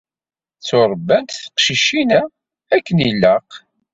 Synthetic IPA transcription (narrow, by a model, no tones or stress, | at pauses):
t͡sːoɾˤbːænt̪θə̥qʃiʃinæ | ækːənilːəq